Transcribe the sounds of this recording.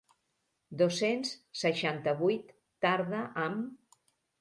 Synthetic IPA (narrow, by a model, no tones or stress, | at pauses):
d̪osenssəʃant̪əβujt̪ː | aɾðəʔəm